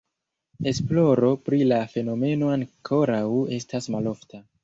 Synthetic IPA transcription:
e̞splo̞ɾo̞pɾilafe̞no̞me̞no̞aŋkʰo̞ɾawe̞stasmalo̞ftʰa

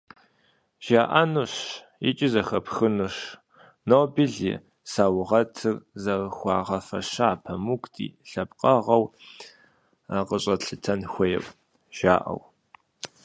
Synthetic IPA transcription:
ʒ̥aːʔɐnuɕ | ɪ̰t͡ʃʼɪzɐxɐpxɨnɨʂ | nobiɮḭ | saːwʁɐtʰɨrzɐrxʷɑːʁɐfɐʂaaːpʰɐmukʷʰʼtʰʼḭːɬɐpqʼɐʁɐw | aqəɕʼɐɬɨtʰɐnxʷɐjɛ̰pʼ | ʒ̥aːʔɐ̰w

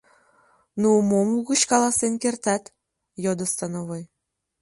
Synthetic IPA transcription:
nuumomuɣət͡ɕkɑlɑsenkert̪æt̪ | jod̪ə̆st̪ɑnoβoj

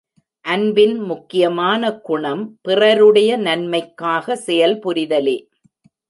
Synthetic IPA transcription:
ʔɐnbɪnmʊkːɪjɐmaːnɐkʊɳɐmpɪrɐɾɯɽɐjɐnɐnmɐɪkːaːɣɐsɛjɐlpʊɾɪðɐleː

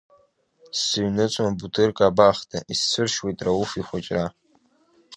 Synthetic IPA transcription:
sɨɥnɨt͡ʃʷʼbutʰɨrkʼabaːχtʰa̰isːɨrʃwejtʼrawufiχʷat͡ʃʼra

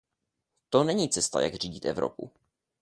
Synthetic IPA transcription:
t̪onɛɲiːt͡sɛst̪a̰ja̰ɡr̝iːɟɪt̪ɛ̰vɾo̰pṵ

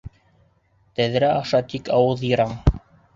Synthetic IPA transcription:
t̪æðɾæɑʃɑt̪ikɑwɤðjɤ̆ɾɑɴ

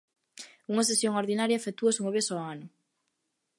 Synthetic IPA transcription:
uŋɐs̬esjoŋoɾðinaɾjɐfet̪uɐsuŋoβesɔanʊ

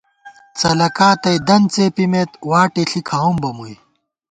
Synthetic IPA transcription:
t͡sɐlɐkaːt̪ɐjd̪ɐnt͡seːpimet̪waːʈeɬikʰaumbɐmuj

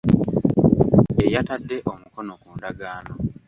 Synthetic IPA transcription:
ejatadːe̞ʔo̞muko̞no̞kuːndaɡaːno̞

